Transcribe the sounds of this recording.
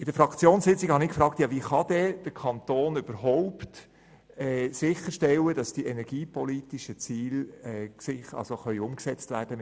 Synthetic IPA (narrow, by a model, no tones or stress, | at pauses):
ɪd̥əfɾɑkt͡sjoːnsɪt͡siɡhɑnɪkfɾɑːkt̪jɑvʋiχɑd̥ɛd̥əkʰɑnt̪oːnyb̥əɾɦoʊpt | ɛːsɪχəɾʃtɛlːəd̥ɑsd̥iʔɛnɛɾɡ̥iːpɔliːtiʃət͡siːlɛsɪχɑ̰lsoχœʏʊmksɛt͡stʋæːrd̥əm